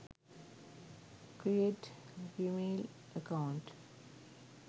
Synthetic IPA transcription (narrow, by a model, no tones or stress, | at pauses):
kɾieʈ | fiːmeːl | əkaʊ̃ɳʈ